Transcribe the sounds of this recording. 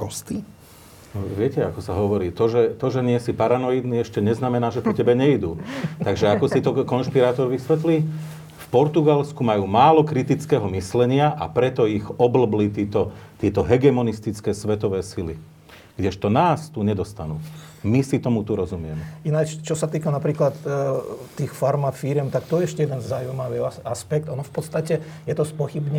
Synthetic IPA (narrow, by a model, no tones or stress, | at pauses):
kɔst̪i | nɔʋɪɛcɛakɔsaɦɔʋɔɾiːt̪ɔʒɛt̪ɔʒɛɲɪɛsipaɾanɔjid̪niɛʃcɛɲɛznamɛnaːʒɛpɔcɛbɛɲɛid̪uːt̪aɡʒɛakɔsit̪ɔkɔnʃpiɾaːt̪ɔɾʋisʋɛt̪li | fpɔɾt̪uɡalskumajuːmaːlɔkɾit̪it͡skɛːɦɔmislɛɲɪaʔa̰pɾɛt̪ɔiɣɔbl̩blit̪iːt̪ɔt̪ɪɛt̪ɔɦɛɡɛmɔnist̪it͡skɛːsʋɛt̪ɔʋɛːsili | ɡ̥ɟɛʃt̪ɔnaːst̪uɲɛd̪ɔst̪anuː | misit̪ɔmut̪uɾɔzumɪɛmɛinat͡ʃt͡ʃɔsat̪iːkanapɾiːklat̪ː | iːxfaɾmafiɾɪɛmt̪akt̪ɔjɛɛʃcɛjɛd̪ɛnzaujmaʋiːaspɛk̚t̪ɔnɔfpɔt̪st̪acɛ | jɛt̪ɔspɔxibɲɛ